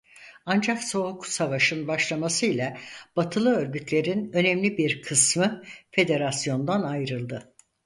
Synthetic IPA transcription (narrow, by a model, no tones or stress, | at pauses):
and͡ʒakso̞ɦukʰu̥savaʃɯnbaʃlˠamasɯjlʲˠab̥at̪ʰɯlˠɯø̞ɾɡyt̪lʲe̞ɾinø̞nɛmlʲibiɾkʰɯsmɯfe̞d̪e̞ɾasjo̞nd̪anajɾɯlˠd̪ɯ